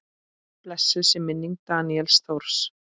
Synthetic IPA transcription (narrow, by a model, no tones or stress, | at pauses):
plɛsːɪðsɪmɪnːiŋk̚t̪aːniɛlsθowɾ̥s